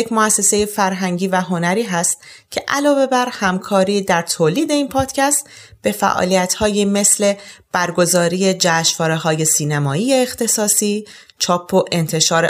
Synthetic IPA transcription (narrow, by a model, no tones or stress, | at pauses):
jekmoæsːe̞se̞je̞fæɾɦæŋɟiːvæɦo̞næɾiːɦæst̪ | cʰe̞ʔælɒːve̞bæɾhæmkʰɒːɾiːd̪æɾt̪ʰoːliːd̪e̞iːnpʰɒːd̪̥cʰæst̪ | b̥e̞fæ̰ʔɒ̰ːlijæt̪hɒːjime̞sle̞b̥æɾɡo̞zɒːɾiːje̞d͡ʒæːʃvɒːɾe̞ɦɒːje̞siːnæmɒːiːjeːxt̪ʰe̞sɒːsiː | t͡ʃʰɒːpʰːoʔe̞nt̪ʰe̞ʃɒːɾe